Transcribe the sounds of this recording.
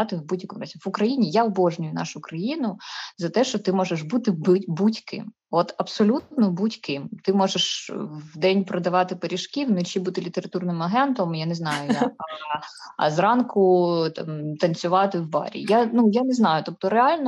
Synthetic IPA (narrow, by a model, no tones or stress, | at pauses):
ɑt̪ɪwbudʲjɐkɔmrɐzʲiʋʊkɾɐjinʲijaɔbɔʒnʲʊjʊnɑ̰ʃʊkɾɐjinʊzɐt̪ɛʃt͡ʃɔt̪ɪmɔʒeʃbut̪ɪbɪbutʲkɪ̰m | ɔt̪ɐpsɔlʲutt̪nɔbutʲkɪmt̪ɪmɔʒeʃʋd̪ɛnʲpɾɔd̪ɐʋɑt̪ɪpeɾʲiʃkʲiwnʊt͡ʃibut̪ɪlʲit̪eɾɐt̪urnɪmɐɦɛnt̪ɔmjaneznɑjʊjakɐɐ̰zrɑnkʊt̪ɑmt̪ɐnt͡sʲʊʋɑt̪ɪwbɑ̰ɾʲḭjanujaneznɑjʊt̪ɔp̚t̪ɔɾeɑlʲnɔ